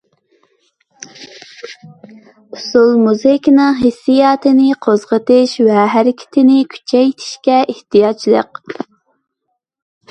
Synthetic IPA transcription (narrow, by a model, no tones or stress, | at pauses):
usulˠmuzɪkʲnɨŋɦesːijɑːt̪ʰɪnɪqʰozʁət̪ɨʃwɛɦæɾɪkʲʰɪ̥t̪ʰɪnɪkʲʰy̥t͡ʃʰɛjt̪ʰɪ̥ʃkʲɛʔeht̪ijɑt͡ʃʰlˠə̰q